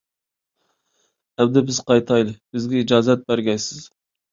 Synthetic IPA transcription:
æbd̪ɛbɪz̥qɑjt̪ʰɑjlˠɨb̥ɪzɡʲɛid͡ʒɑːzɛt̪̚bæɾɡʲɛjsɪz̥

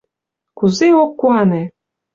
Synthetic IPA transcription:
kuzeokːuɑne

